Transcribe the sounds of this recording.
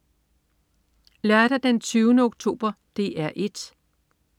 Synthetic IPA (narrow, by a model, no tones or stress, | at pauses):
læɐd̥æd̥ent͡sʰyːʊnəoɡ̥̚t͡sʰo̝̰ːb̥ɐd̥e̝ʔæɐ̰ʔe̝d̥